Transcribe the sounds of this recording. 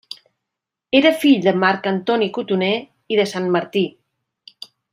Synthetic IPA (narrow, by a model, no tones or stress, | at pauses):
eɾəfiʎd̪əmaɾkənt̪ɔnikut̪une | iðəsanməɾt̪i